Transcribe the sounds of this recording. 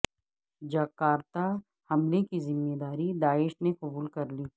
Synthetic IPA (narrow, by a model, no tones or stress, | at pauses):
d͡ʒɐkːaːɾt̪a | hɐmlekizɪmːeːd̪aːɾid̪aːɪʃneqʊbuːlkɐɾliː